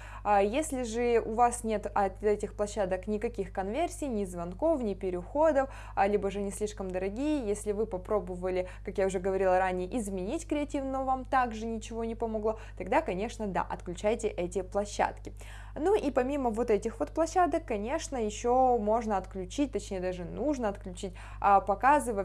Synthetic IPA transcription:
ajesʲlʲɪʐɨʊvasnʲe̞t̪ɐɛtʲɪxplˠɐɕːad̪əknʲɪkɐkʲixkɐnvʲe̞rsʲijnʲɪzvɐnko̞fnʲɪpʲɪɾʲɪxo̞d̪əf | lʲibəʐɨnʲɪsʲlʲiʂkəmd̪əɾɐɡʲijəjesʲlʲɪvɨpɐpɾo̞bəvəlʲɪkakjaʊʐɛɡəvɐɾʲilˠəɾanʲɪjəʔɪzmʲɪnʲitʲkɾʲɪɐtʲivnɨvamt̪aɡʐɨnʲɪt͡ɕɪvo̞nʲɪpəmɐɡlˠot̪ɐɡd̪akɐnʲe̞ʂnəd̪a̰ʔɐt̪klʲʉt͡ɕæjtʲɪʔɛtʲɪplˠɐɕːa̰t̪kʲɪ | nuʔipɐmʲiməvo̞t̪ɛtʲɪxvo̞t̪̚plˠɐɕːad̪əkːɐnʲe̞ʂnəjɪɕːomo̞ʐnəɐt̪klʲʉt͡ɕit̚ʲt̪ɐt͡ɕnʲejəd̪aʐɨnuʐnəɐt̪klʲʉt͡ɕitʲː | pɐkazɨvə

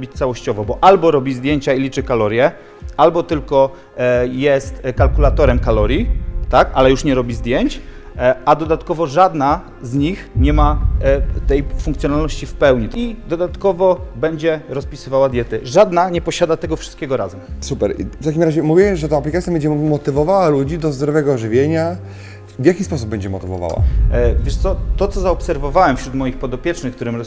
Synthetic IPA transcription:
bʲit͡ɕt̪sawɔɕt͡ɕɔvɔbɔʔalbɔɾɔbʲizd̪jeɲt͡ɕailʲit͡ʂɘkalɔɾʲjɛ | albɔt̪ɘlkɔ | jɛst̪kalkulat̪ɔɾɛmkalɔɾʲjit̪akalɛjuʂɲɛɾɔbʲizd̪jeɲt͡ɕ | ad̪ɔd̪at̪kɔvɔʐad̪na | zɲixɲɛma | t̪ɛjfuŋkt̪sʲjɔnalnɔɕt͡ɕifpɛwɲit̪id̪ɔd̪at̪kɔvɔbɛɲd͡ʑɛɾɔspʲisɘvawad̪ʲjɛt̪ɘʐad̪naɲɛpɔɕad̪at̪ɛɡɔfʂɨ̥st̪kʲɛɡɔɾazɛmsupɛɾʔḭft̪akʲimɾaʑɛmuvʲiwɛmʐɛt̪aaplʲikat̪ʲjabɛɲd͡ʑɛmɔt̪ɘvɔvawalud͡ʑid̪ɔzd̪ɾɔvɛɡɔʐɘvʲjeɲa | vʲjakʲispɔsub̚ɛɲd͡ʑɛmɔt̪ɘvɔ̰va̰wa̰vʲjɛʂt̪sɔt̪ɔt̪sɔzaɔpsɛɾvɔvawɛmfɕɾut̪mɔjixpɔd̪ɔpʲjɛt͡ʂnɘxk̚t̪uɾɘmɾ

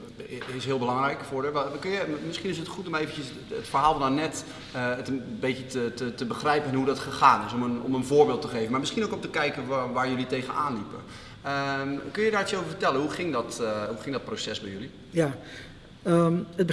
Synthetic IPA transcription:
ɪsɦɪəlˠbəlɑŋɾɛjkəfʊːɹdəʋkønjəmɪsχinɪs̬ətχutɔmejvənjəs | ətfərɦaːlˠɔnanɛt | əətəbetətətətəbəxrɛjpənɦudɔtχəxaːnɪsɔmənɔ̰mənvʊːɹbɪːlˠtəχejvənmaɹmɪsχinowkɔmtəkɛjkənʋaːɹjɵlitejɣənaːnlipə̰ | əkønjədaːɹɪsjəowvəɹfətɛlənɦuxɪŋdɔthuxɪŋdɔt̚prosɛsbɛjøli | ja | əəb

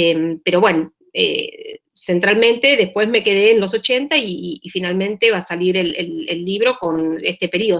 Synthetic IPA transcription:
empeɾo̞βweno | ḛ | se̞nt̪ɾalmẽ̞nt̪e̞ðe̞spwe̞zme̞ke̞ðe̞ːnlo̞s̬o̞t͡ʃe̞nt̪aiːfinalmẽnt̪e̞βasaliɾelḛlḛlːiβ̞ɾo̞ko̞nest̪epe̞ɾio

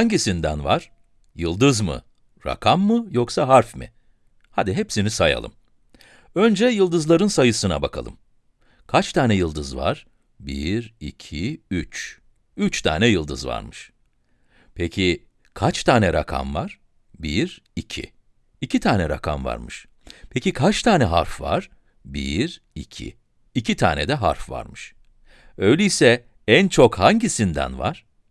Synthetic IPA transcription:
haɲɟisind̪ænvaɾ̥ | jɯlˠd̪ɯzmɯ̰ | ɾa̰kʰamːɯjoksaɦaɾfmɪ̰ | had̪iɦepsinisaja̰lˠɯ̰m | ø̞nd͡ʒɛjɯlˠd̪ɯzlˠaɾɯnsajɯsɯna̰bakʰalˠɯ̰m | kʰat͡ʃt̪ʰaːnɛjɯlˠd̪ɯzva̰ɾ̥ | biɾḭcʰiyt͡ʃ | yt͡ʃt̪ʰa̰ːnɛjɯlˠd̪ɯzva̰ɾmɯʃ | pʰecʰi | kʰat͡ʃt̪ʰaːnɛɾakʰa̰mvaɾ̥ | biɾ | icʰḭ | icʰit̪ʰaːnɛɾa̰kʰamva̰ɾmɯʃ | pʰecʲikʰat͡ʃt̪ʰaːnɛɦaɾfva̰ɾ̥ | biɾ | icʰḭ | icʰit̪ʰaːnɛd̪ɛɦaɾfva̰ɾmɯʃ | ø̞jlʲɛjisɛ | ænt͡ʃʰo̞khaɲɟisind̪æ̰nvaɾ̥

